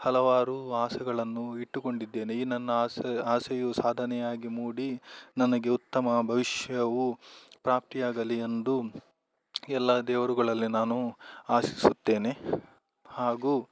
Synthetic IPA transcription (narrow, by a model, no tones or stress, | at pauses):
hɐlɐʋaːɾuaːsɛɡɐɭɐnːuiʈːuko̞ɳɖid̪ːe̞ːneiːnɐnːɐːsaːsɛjusaːd̪ʱɐnɛjaːɡimuːɽinɐnɐɡe̞ut̪ːɐmɐbʱɐʋiʃjɐʋupɾaːp̚t̪ijaːɡɐliend̪u | ɛlːɐd̪ɛːʋɐɾuɡɐɭɐlːinaːnuaːsi̥sut̪ːe̞ːne | haːɡuː